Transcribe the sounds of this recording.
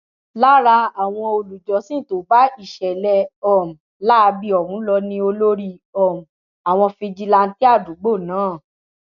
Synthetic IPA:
la˦ɾa˧a˨w̃ɔ̃˧o˧lu˨d͡ʒɔ˨˦sĩ˦˨to˨˦ba˦i˦˨ʃɛ˨lɛ˧ɔ˨m̩˨ | la˦˧bi˧ɔ˨ɾũ˨˦lɔ˧nĩ˧o˧lo˦ɾi˧ | ɔ˨m̩˨ | a˨w̃ɔ̃˧fĩ˧d͡ʒi˧la˧n̩˦ti˦a˦˨du˨˦ɡ͡bo˦˨nãː˨˦˨

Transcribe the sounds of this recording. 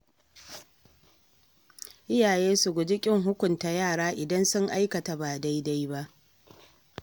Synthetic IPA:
ʔɪ˦jaː˨jeː˦sʊ˨ɡʷʊ˨d͡ʒɪ˦kʲʼɪ˦ŋɦʊ˦kʷʊ˨nta˨jaː˦˨ɽaː˦ʔɪ˨dɐ˦nsʊ˦ŋʔa˦jkɐ˨ta˨baː˨da˦jda˦jba˦ʔ

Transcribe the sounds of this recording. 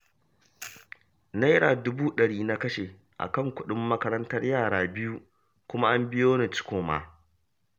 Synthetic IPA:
na˦jɽaː˨dʊ˦buː˦ɗɐ˨ɽiː˦na˦kɐ˦ʃeː˨ | ʔa̰˨kɐ˦˨ŋkʷʊ˦ɗɪ˦mːɐ˦kɐ˦ɾɐ˦ntɐ˦rjaː˦˨ɽaː˨bɪ˦ju˦ | kʷʊ˦ma˦ʔa˦mbɪ˦joː˦ne˨t͡ʃɪ̥˦kʷoː˨ma̰ː˨

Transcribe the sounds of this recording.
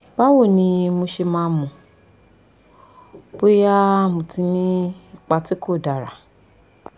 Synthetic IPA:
ba˦wo˦˨nĩ˧mũ˧ʃe˧mãː˨˦mũ˨ | b̥o˦ja˦mũ˨ti˧nĩ˦i˦k͡pa˧ti˦ko˦˨da˨ɾa̰˨

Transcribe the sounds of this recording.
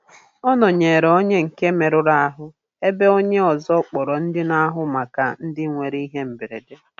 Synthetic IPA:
ɔ˦nɔ˨ɲe˨ɾo˦ɲe˦ŋ̩˨ke˦me˨ɾʊ˨ɾa˦a˦ɦʊ˦ | e˦be˦o˦ɲe˦ɔ˨zɔ˦k͡pɔ˨ɾɔ˨n̩˦dɪ˦na˦ɦʊ˦ma˨ka˨n̩˦dɪ˦ŋʷe˨ɾi˦i˦ɦe˦m̩˨be˨ɾḛ˨de˦

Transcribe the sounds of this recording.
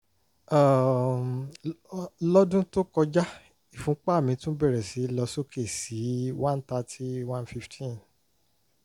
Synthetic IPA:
a˦˨ | lɔ˦dũ˦to˦kɔ˧d͡ʒa˦ | i˨fũ˨˦k͡pa˦˨mĩ˧tũ˦bɛ˦˨ɾɛ˨si˨˦lɔ˧so˦kʰe˦˨si˨˦wã˦n˦ta˧ti˦wã˦nfi˦ftʰĩ˦n

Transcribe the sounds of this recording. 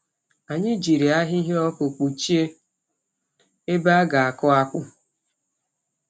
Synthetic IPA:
a˨ɲɪ˦d͡ʒi˨ɾi˨a˦ɦi˦ɦe˦ɔ˦ko˨k͡pu˨t͡ʃi˦e˦ | e˦ba˦a˦ɡa˨a˨kɔ˦a˦kʷʊ˦

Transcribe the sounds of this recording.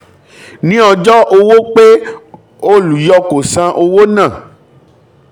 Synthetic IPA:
nĩ˦ɔ˧d͡ʒɔ˦ʔo˧wo˦k͡pe˦ | o˦lu˨jɔ˦ko˨sã˧ʔo˧wo˦nã˦˨

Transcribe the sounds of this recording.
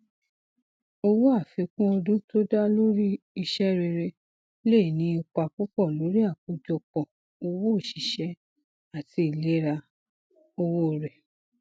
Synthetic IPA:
o˧wo˦a˦˨fi˧kũ˦ɔ˧dũ˦to˦da˦lo˦ɾi˦ | i˧ʃɛ˦ɾe˧ɾe˧ | le˦˨i˨nĩ˧˦i˧k͡pa˧ku˦k͡pɔ˦˨lo˨˦ɾi˦a˦˨ku˨˦d͡ʒɔ˧k͡pɔ˨ | o˧wo˦o˦˨ʃi˨ʃɛ˨˦ | a˦˨ti˧i˦˨le˨˦ɾa˧ | o˧wo˦˨ɾɛ˨

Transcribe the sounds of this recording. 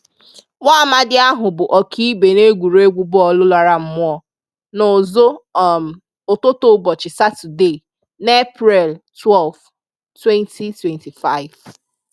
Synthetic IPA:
ŋʷa˦ma˦dɪ˦a˦ɦʊ˨bʊ˨ʔɔ˨kʰi˦be˨ne˦ɡʷu˨ɾe˦ɡʷu˦bʊ˦ɔ˨lʊ˦la˨ɾa˦m̩˦mʊ˦ɔ˦˨ | no˨zo˦˨ | ʊ˨tʊ˦to˦bɔ˨t͡ʃɪ˨sa˦tu˨de˦˨ | n˦e˦pɾɛ˨ltwɛ˦˨lf | twɛ˦ntʰi˨twɛ˨nti˨fa˦˨ɪ˨v

